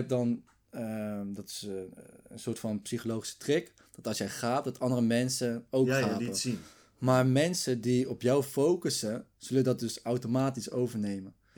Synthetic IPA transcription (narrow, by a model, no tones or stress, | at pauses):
ɛp̚dɑn | ədɑtɪ̥ | ənsʊːɹtfɑnpsiχolowχisə̥trɪk | d̥ɑtɑlˠsjɛjχaːp̚dɑtɑndərəmɛnsəowkχaːpə | maːɹmɛnsədiɔpjawfowkəsəz̥ɵləndɑt̚dɵsawtomaːtisowvəɹnejmən